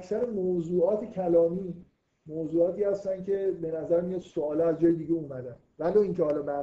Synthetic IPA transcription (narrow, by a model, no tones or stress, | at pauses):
æksæɾemoːzuːɒːt̪ʰecʰælɒːmiː | moːzuːɒːt̪ʰiːhæst̪ænd̪̚cʲʰe̞be̞næzæɾmijɒd̪̥soɒːlɛæzd͡ʒɒːjed̪iːɟeumæd̪æn | væloːiŋcʰehɒːlɒːbæ